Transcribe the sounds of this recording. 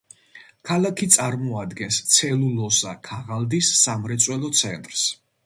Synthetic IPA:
kʰalakʰit̪sʼaɾmɔad̪ɡɛnst̪sʰɛlulɔsa̰kʰaʁald̪isːamɾɛt̪sʼwɛlɔt̪sʰɛnt̪ʼɾs

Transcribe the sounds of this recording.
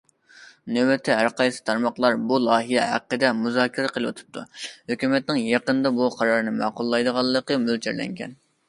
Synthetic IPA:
nøwɛt̪ʰːɪɦæɾqʰɑjsɨ̥t̪ʰɑɾmɑχlˠɑɾbulˠɑːɦijɛɦæ̰qːəd̪ɛmuzɑːkʲʰiɾɛqʰəlˠɨwɑ̰t̪ʰɨ̥p̚t̪ʰːuhøkʲymɛt̪̚nɪŋjɑqənd̪ɑbuqʰɑɾɑɾnɨmɑ̰qʊlˠːɑjd̪əʁɑlˠːəqəmølt͡ʃʰæɾlɛ̰ŋkʲʰɛ̰n

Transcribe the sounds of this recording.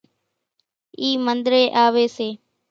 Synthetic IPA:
iːmənd̪ɾeːʔaːʋeːseː

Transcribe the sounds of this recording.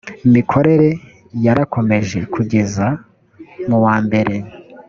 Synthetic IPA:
imikʰo̞ɾe̞ɾe̞ | jaɾako̞me̞ʒe̞kʰuɟe̞za | muwaːmbe̞ɾe̞

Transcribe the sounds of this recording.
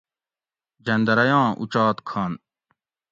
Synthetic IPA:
d͡ʑɐnd̪ɐɾɐjãːʔṵt͡ɕɑːt̪kʰaːn

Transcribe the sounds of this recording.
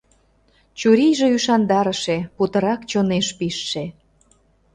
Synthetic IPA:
t͡ɕuɾijʒeyʃɑnd̪ɑɾəʃeput̪ə̆ɾɑkt͡ɕoneʃpiʃːe

